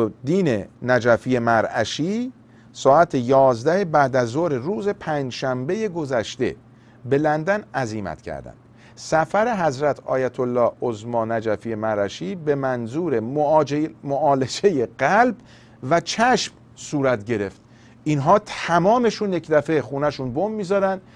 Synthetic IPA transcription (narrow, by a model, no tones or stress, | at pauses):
d̪iːnenæd͡ʒæfijemæɾæ̰ʃiː | sɒːæt̪ʰejɒːzd̪æhebæːd̪æzoːɾeɾuːze̞pʰæːnd͡ʒʃæmbe̞je̞ɡo̞zæʃt̪e̞̰ | be̞lænd̪ænæziːmæ̰t̪cʰæ̰ɾd̪æ̰nd̪̥ | sæfæɾe̞ɦæzɾæt̪ʰɒ̰ːjæt̪ʰolːɒːhozmɒːnæd͡ʒæfiːjemæɾæʃiːbe̞mænzuːɾe̞ | moʔɒːle̞d͡ʒe̞jeɢælb | væt͡ʃʰæʃm | suːɾæt̪ɟe̞ɾe̞ft̪̚ | inɦɒːt̪ʰæmɒːme̞ʃunje̞cd̪æfe̞xuːnæʃunbomːiːzɒːɾænd̪̥